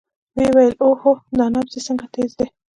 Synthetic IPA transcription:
wewajəlohod̪ɑnabzisəŋɡat̪eːzd̪e

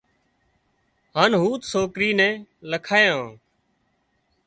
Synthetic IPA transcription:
haːnɦuːt̪soːkɾiːnɛ̃ːləkʰaːjãː

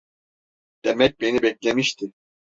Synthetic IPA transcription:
d̪̥emɛc̚benibɛc̚lʲemiʃt̪ʰɪ

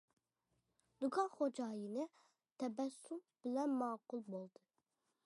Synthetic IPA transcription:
d̪ukʰɑχod͡ʒɑːjinɨ | t̪ʰɛbɛsumb̥ɪlɛnmɑːqʊlˠbolˠd̪ɨ

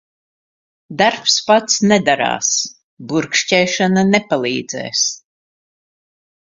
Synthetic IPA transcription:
d̪aɾpspat̪snɛd̪aɾa̰ːs | buɾkʃt͡ʃɛːʃananɛpalˠiːd̪z̥ɛ̰ːs

